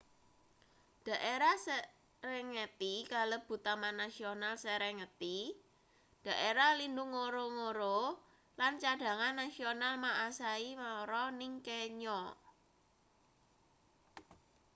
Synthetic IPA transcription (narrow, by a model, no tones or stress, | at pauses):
d̥ä̤ʔeɾasɛ | ɾɛŋət̪ikaləb̥ṳt̪amanasionalsɛɾɛŋət̪i | d̥a̤ʔeɾalindʊŋːoɾoŋoɾo | lant͡ʃaɖ̥ä̤ŋanːasionalmaʔasaimaɾɔnɪŋkeɲɔ